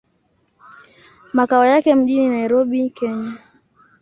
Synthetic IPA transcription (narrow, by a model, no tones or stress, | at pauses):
makaɔjakɛm̩ʄininaiɾɔɓikɛɲa